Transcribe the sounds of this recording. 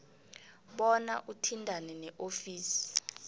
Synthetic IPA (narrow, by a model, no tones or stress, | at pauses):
ɓɔna̰ʔutʰindʱanɛnɛʔofiːsi̥i̥